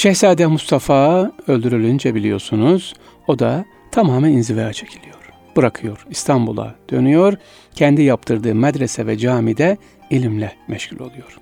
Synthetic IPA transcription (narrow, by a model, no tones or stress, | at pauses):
ʃɛçsaːd̪ɛmust̪ʰafaːø̞lʲd̪yɾylʲynd͡ʒɛbilʲijo̞̰ɾsunuz̥ | o̞d̪a | t̪ʰamaːmæninzivejat͡ʃʰe̥cʰilʲijo̞ɾ̥ | bɯɾakʰɯjo̞ɾist̪ʰambulˠa̰d̪̥ø̞nyjo̞ɾ | cʰɛnd̪ijap̚t̪ʰɯɾd̪ɯːmad̪ɾesɛvɛd͡ʒaːmid̪ɛ | ilʲimlʲɛmɛʃcʰulʲo̞lˠujo̞ɾ̥